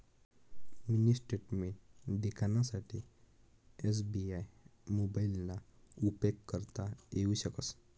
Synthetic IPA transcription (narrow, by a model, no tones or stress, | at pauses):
minisʈeʈmed̪ekʰanasaʈʰi | es̬biajmobailːaupeɡkəɾt̪ajeuɕəkəs